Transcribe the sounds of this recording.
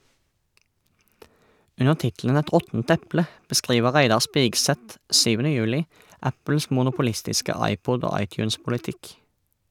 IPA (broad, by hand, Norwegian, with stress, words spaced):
ˈʉnəʁ ˈtɪtl̩ən ˈɛt ˈʁɔtn̩t ˈɛplə bəˈskʁiːʋə ˈʁæɪdɑʁ ˈspɪɡˌsɛt ˈsyːʋənə ˈjʉːlɪ ˈæpl̩s mʊnʊpʊˈlɪstɪskə ˈɑɪˌpɔd ˈoː ˈɑɪˌtjʉːnspʊlɪˌtɪk